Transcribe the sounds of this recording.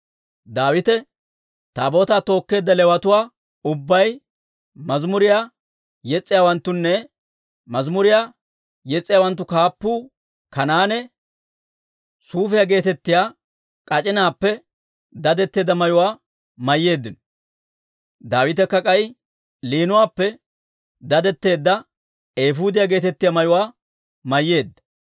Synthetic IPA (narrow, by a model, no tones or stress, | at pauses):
d̪aːwɪt̪ɛ | t̪aːbo̞ːt̪aːt̪o̞ːkːe̞ːd̪ːɐlɛwɐt̪ʊwaː | ʊbːɐj | mɐzmʊɾɪjaː | jɛt͡sʼːɪjaːwɐnt̪ːʊnːɛ | mɐzmʊɾɪjaː | jɛt͡sʼːɪjaːwɐnt̪̬ːʊkaːpːuː | kɐnaːnɛ | suːfɪjaɡe̞ːt̪ɛt̪ːɪjaː | kʼɐt͡ʃʼɪnaːpːɛ | d̪ɐd̪ɛt̪ːe̞ːd̪ːɐmɐjʊwaː | mɐjːe̞ːd̪ːɪnɔ | d̪aːwɪt̪ɛkːɐkʼɐj | liːnʊwaːpːɛ | d̪ɐd̪ɛt̪ːe̞ːd̪ːɐ | eːfuːd̪ɪjaːɡe̞ːt̪ɛt̪ːɪjaːmɐjʊwaː | mɐjːe̞ːd̪ːɐ̥